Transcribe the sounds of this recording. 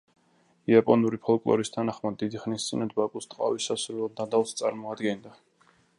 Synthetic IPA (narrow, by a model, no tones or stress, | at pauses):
iapʼɔnuɾipʰɔlˠkʼlˠɔ̰ɾist̪ʰanaχmad̪ːid̪iχnist̪sʼinɛd̪bakʼust̪ʼqʼa̰visasuɾɛɛld̪ad̪alˠst̪sʼaɾmɔad̪ɡɛnd̪a